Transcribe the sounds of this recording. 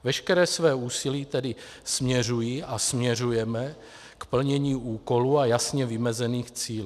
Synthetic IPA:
vɛʃkɛɾɛːsvɛːuːsiliːt̪ɛdɪ | smɲɛr̝ujiːasmɲɛr̝ujɛmɛ | kpl̩ɲɛɲiːʔuːko̞luːajasɲɛvɪmɛzɛniːxt͡siːlː

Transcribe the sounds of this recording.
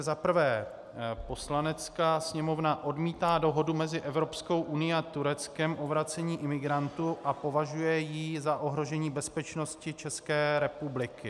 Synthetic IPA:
zapr̩vɛː | po̞slanɛt͡skaːsɲɛmo̞vnaʔo̞dmiːt̪aːdo̞ɦo̞dumɛzɪʔɛvɾo̞psko̞wʔunɪjat̪uɾɛt͡skɛmʔo̞vɾat͡sɛɲiːʔɪmɪɡɾant̪uʔapo̞vaʒujɛjizaʔo̞ɦɾo̞ʒɛɲiːbɛspɛt͡ʃno̞scɪt͡ʃɛskɛːɾɛpublɪkɪ

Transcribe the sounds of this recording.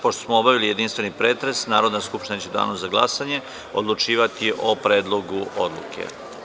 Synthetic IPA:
poʃt̪osmoobaʋilije̞d̪inst̪ʋe̞nipɾeːt̪ɾe̞snaːɾo̞d̪naskupʃt̪inat͡ɕed̪a̰ːnozaɡlˠa̰saɲe̞ | o̰d̪lˠut͡ʂiːʋat̪iʔopɾeːd̪lˠoɡuʔod̪lˠṵkʰḛ

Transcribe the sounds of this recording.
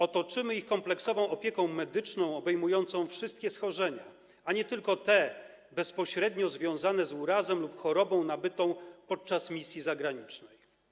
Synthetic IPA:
ɔt̪ɔt͡ʂɘmɘixkɔmplɛksɔvɔ̃w̃ɔpʲjɛkɔ̃w̃mɛd̪ɘt͡ʂnɔ̃w̃ɔbɛjmujɔnt̪sɔ̃w̃fʂɘst̪kʲɛsxɔʐɛɲa | aɲɛt̪ɘlkɔt̪ɛ | bɛspɔɕɾɛd̪ɲɔzvʲjɔ̃w̃zanɛzuɾazɛmlupxɔɾɔbɔ̃w̃nabɘt̪ɔ̃w̃pɔt̪̚t͡ʂasmʲisʲjizaɡɾaɲit͡ʂnɛj

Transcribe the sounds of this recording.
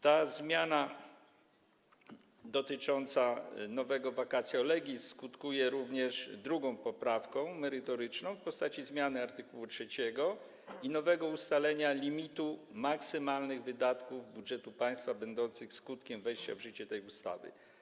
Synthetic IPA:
t̪azmʲjana | d̪ɔt̪ɘt͡ʂɔnt̪sanɔvɛɡɔvakat̪sʲjɔlɛɡʲiskut̪kujɛɾuvɲɛʂd̪ɾuɡɔ̃w̃pɔpɾafkɔ̃w̃mɛɾɘt̪ɔɾɘt͡ʂnɔ̃w̃fpɔst̪at͡ɕizmʲjanɘaɾt̪ɘkuwutʂɛt͡ɕɛɡɔ | inɔvɛɡɔust̪alɛɲalʲimʲit̪umaksɘmalnɘɣvɘd̪at̪kuvbudʐɛt̪upaj̃st̪fabɛnd̪ɔnt̪sɘxskut̪kʲɛmvɛjɕt͡ɕa̰vʐɘt͡ɕɛt̪ɛjust̪a̰vɘ̰

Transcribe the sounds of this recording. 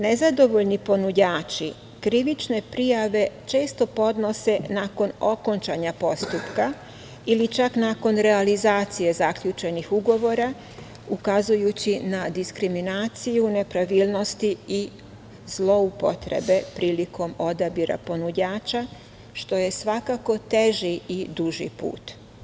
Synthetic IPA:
ne̞zad̪o̞ʋo̞ʎnipo̞nud͡ʑaːt͡ʃi | kɾiʋit͡ʃne̞pɾijaʋe̞t͡ʃe̞ːst̪o̞po̞d̪no̞se̞naːko̞no̞ko̞nt͡ʃaɲapo̞st̪upka | ilit͡ʃaknaːko̞nɾe̞alizaːt̪sije̞zakʎut͡ʃe̞nixuɡo̞ʋo̞ɾa | ukazujut͡ɕinad̪iskɾiminaːt̪sijune̞pɾaʋilˠno̞st̪ii | z̥lˠo̞upo̞̰t̪ɾe̞̰be̞pɾiːlikʰo̞mo̞d̪abiɾa̰po̞nud͡ʑaːt͡ʃa | ʃt̪o̞je̞sʋakako̞t̪e̞ʒiid̪uʒḭpṵːt̪

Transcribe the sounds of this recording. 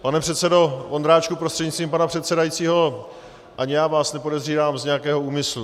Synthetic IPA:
panɛpr̥ɛt̪sɛdo̞ʔond̪ɾaːt͡ʃkupɾost̪r̥ɛdɲɪtt͡st̪viːmpanapr̥ɛt̪sɛdajit͡siːɦo̞ | ʔaɲɪjaːvaːsnɛpo̞dɛzriːvaːmzɲɛjakɛːɦo̞uːmɪslu

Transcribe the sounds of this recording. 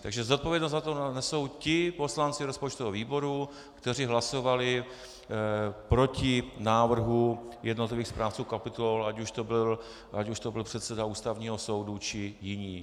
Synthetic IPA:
t̪aɡʒɛzot̪̚po̞vjɛdnos̬t̪zat̪onɛsowcɪpo̞slant͡sɪɾospot͡ʃt̪oɦoviːbo̞ɾu | kt̪ɛr̝ɪɦlaso̞valɪ | pɾo̞cɪnaːvr̩ɦujɛdnot̪lɪviːxspɾaːft͡suːkapɪt̪uolacuʃt̪obɪl | ʔacuʃt̪obɪlpr̥ɛt̪sɛdauːst̪avɲiːɦo̞so̞wdut͡ʃɪjɪɲiː

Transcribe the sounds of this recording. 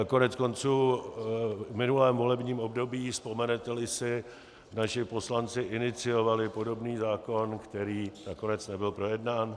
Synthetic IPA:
ko̞nɛt͡sko̞nt͡suː | vmɪnulɛːmvo̞lɛbɲiːmo̞bdo̞biːspo̞mɛnɛt̪ɛlɪsɪ | naʃɪpo̞slant͡sɪʔɪnɪt͡sɪjo̞valɪpo̞do̞bniːzaːko̞nkt̪ɛɾiːnako̞nɛt͡snɛbɪlpɾo̞jɛdnaːn

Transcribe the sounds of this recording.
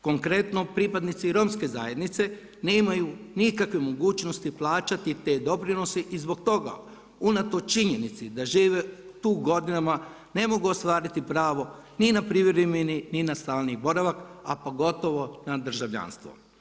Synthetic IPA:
ko̞ŋkɾe̞t̪no̞pɾipad̪nit̪siɾo̞mske̞zaje̞d̪nit̪se̞ | nemajunikakʋemo̞ɡuːt͡ʃno̞st̪iplˠaːt͡ʃat̪it̪e̞ːd̪o̞pɾino̞seʔizbo̞k̚t̪o̞ɡa̰ | unat̪o̞t͡ʃiɲenit̪sid̪aʒiːʋe̞ut̪uːɡo̞d̪inama | ne̞mo̞ɡuost̪ʋaːɾit̪ipɾaːʋo̞ninapɾiʋɾemenininast̪aːlˠnibo̞ɾaʋakapo̞ɡo̞t̪o̞ʋo̞nad̪r̩ʒaʋʎa̰ːnst̪ʋo̰

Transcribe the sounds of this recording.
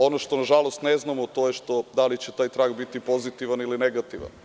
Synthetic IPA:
onoʃt̪o̞naʒalost̪neznamot̪oːjeʃt̪o̞d̪alit͡ɕet̪aːjt̪ɾaɡbit̪ipo̞zit̪iʋanilineɡat̪iʋa̰n

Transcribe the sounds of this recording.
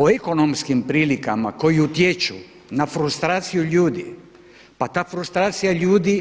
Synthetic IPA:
oeko̞nomskimpɾiːlikama̰ko̞jiut̪jet͡ʃu | nafɾust̪ɾaːt̪sijuʎuːd̪i | pat̪aːfɾust̪ɾaːt̪sijaʎuːd̪i

